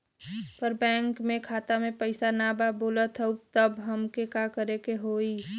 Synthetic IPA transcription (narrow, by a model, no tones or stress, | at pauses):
pəɾbɛ̃ːŋkmẽkʰaːt̪amẽpəɪsanababoːlət̪ɦəut̪əbɦəmkekakəɾekeɦoːi